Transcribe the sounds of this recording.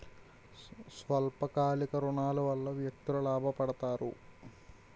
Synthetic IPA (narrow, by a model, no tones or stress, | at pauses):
sʋɐlpɐkaːlikɐɾuɳaːluʋɐlːɐʋjɐk̚t̪ulɐlaːbʱɐpɐɽɐt̪aːɾṵ